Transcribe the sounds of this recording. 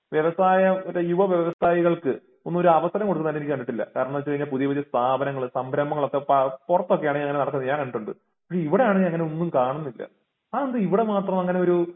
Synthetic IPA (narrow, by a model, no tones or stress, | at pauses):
ʋjeʋɐsaːjɐoɾejuʋɐʋjeʋʋɐsaːjiɣɐɭkɨ | onːumoɾuɐʋɐsɐɾɐmkoɽt̪ːkːunːanenikʲːkɐɳːiʈːilːɐ̰kaːɾɐɳɐːɐʋɐt͡ɕːɐiɲːalpuðijɐʋiðjɐst̪ʰaːbɐnɐŋːɐɭɨsɐmbɾɐmːɐŋːɐɭo̞kːe̞pɐpurɐt̪ːokːejaːɳɲɐŋːɐnenɐɽɐkːunːɐɲaːŋkɐnːiʈːuɳɖɨ | pɐkʂe̞iʋiɽe̞jaːɳɨɲɐŋːɐne̞o̞nːumkaːɳunːilːɐ̰ | aend̪ɨiʋiɽe̞maːt̪rɐmɐŋːɐne̞o̞ɾu